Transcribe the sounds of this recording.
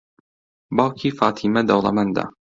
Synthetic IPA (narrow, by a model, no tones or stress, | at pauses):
bawkʰifaːt̪ʰimad̪awlamand̪a̰